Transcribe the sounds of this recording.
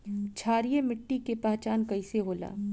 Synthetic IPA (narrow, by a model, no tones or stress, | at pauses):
t͡ʃʰaːɾijemɪʈːikepaːt͡ʃaːnkɐiseɦoːla̰ː